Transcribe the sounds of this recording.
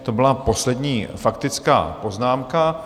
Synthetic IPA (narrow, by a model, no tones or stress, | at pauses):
t̪o̞bɪlapo̞slɛdɲiːfakt̪ɪt͡ska̰ːpo̞znaːmka